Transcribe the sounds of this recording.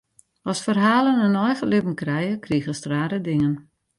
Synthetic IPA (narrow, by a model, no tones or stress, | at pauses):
ɔsfərɦaːlənənɔjɣəlɪbən̩krɛjəkriəɣəstraːɾədɪŋən